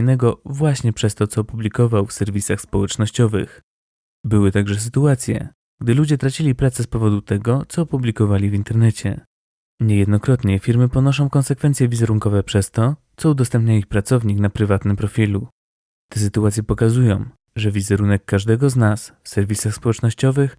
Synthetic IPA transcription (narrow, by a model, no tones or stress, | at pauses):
jnɛɡɔvwaɕɲɛpʂɛst̪ɔt̪sɔːpublʲikɔvawfsɛɾvʲisaxspɔwɛt͡ʂnɔɕt͡ɕɔvɘ̰x | bɘwɘt̪aɡʐɛs̬ɘt̪uat̪sʲjɛ̰ | ɡ̥d̪ɘlud͡ʑɛt̪ɾat͡ɕilʲipɾat̪sɛspɔvɔd̪ut̪ɛɡɔt̪sɔːpublʲikɔvalʲivʲint̪ɛɾnɛt͡ɕɛ̰ | ɲɛjɛd̪nɔkɾɔt̪ɲɛfʲiɾmɘpɔnɔʂɔ̃w̃kɔnsɛkfɛnt̪sʲjɛvʲizɛɾuŋkɔvɛpʂɛst̪ɔt̪sɔud̪ɔst̪ɛmpɲaixpɾat̪sɔvɲiknapɾɘvat̪nɘmpɾɔfʲilu | t̪ɛsɘt̪uat̪sʲjɛpɔkazujɔ̃w̃ | ʐɛvʲizɛɾunɛkːaʐd̪ɛɡɔznasfsɛɾvʲisaxspɔwɛt͡ʂnɔɕt͡ɕɔvɘx